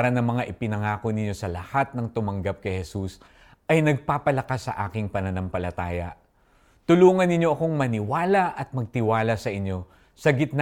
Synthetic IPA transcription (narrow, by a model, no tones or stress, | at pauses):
ɾɐnɐŋmɐŋaʔɪpɪnɐŋaːko̞nɪnɲjo̞sɐlɐhat̪̚nɐŋt̪ʊmɐŋɡap̚kɐjhɛsus | ʔɐjnɐɡ̚paːpɐlɐkasːɐ̰ʔaːkɪŋpɐnɐnɐmpɐlɐt̪aːjɐ̰ʔ | t̪ʊluːŋɐnːɪɲjo̞ʔɐko̞ŋmɐnɪwaːlɐʔɐt̪̚mɐɡ̚t̪ɪwaːlɐsɐʔɪɲjo̞ | sɐɡɪt̪̚n